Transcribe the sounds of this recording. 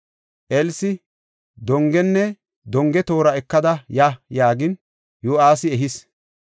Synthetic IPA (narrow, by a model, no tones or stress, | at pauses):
ʔɛlsɪ | d̪ɔŋɡɛnːɛ | d̪ɔŋɡɛt̪o̞ːɾɐɛkːɐd̪ɐjajaːɡɪn | joːaːsɪɛɦɪs